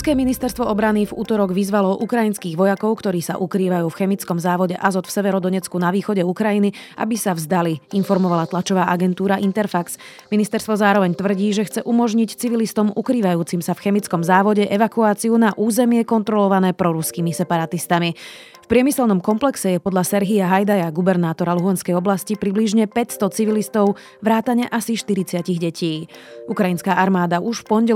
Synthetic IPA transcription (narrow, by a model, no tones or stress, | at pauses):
ɾskɛːminist̪ɛɾst̪ʋɔɔbɾanivṵːt̪ɔɾɔɡʋizʋalɔʔukɾajinskiːɣʋɔjakɔʊkt̪ɔɾiːsa̰ʔukɾiːʋajuːfxɛmit͡skɔmzaːʋɔɟɛʔazɔt̪fsɛʋɛɾɔd̪ɔɲɛt͡skunaʋiːxɔɟɛukɾajinia̰bisavzd̪aliinfɔɾmɔʋalat̪lat͡ʃɔʋaːʔaɡɛnt̪uːɾaʔint̪ɛɾfaksminist̪ɛɾst̪ʋɔzaːɾɔʋɛɲt̪ʋr̩ɟiːʒɛxt͡sɛʔumɔʒɲict͡siʋilist̪ɔmukɾiːʋajuːt͡simsafxɛmit͡skɔmzaːʋɔɟɛʔɛʋakuaːt͡siunaʔuːzɛmɪɛkɔnt̪ɾɔlɔʋanɛːpɾɔɾuskiːmisɛpaɾat̪ist̪ami | fpɾɪɛmisɛlnɔmkɔmplɛksɛjɛpɔd̪ʎasɛɾɦiaɦajd̪ajaɡubɛɾnaːt̪ɔɾaluɦanskɛjɔblascipɾibliʒɲɛpɛcst̪ɔt͡siʋilist̪ɔʊ | ʋɾaːt̪aɲɛʔasiʃt̪iɾit͡sɪaciɣɟɛcʰiːukɾainskaːʔaɾmaːd̪aʔuʃfpɔnɟɛ